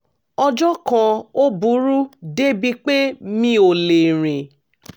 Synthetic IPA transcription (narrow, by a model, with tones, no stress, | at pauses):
ɔ˧d͡ʒɔ˦kã˧o˦bu˨˦ɾu˦de˦bi˧k͡pe˦mĩ˧o˨le˨ɾ̃ĩ˨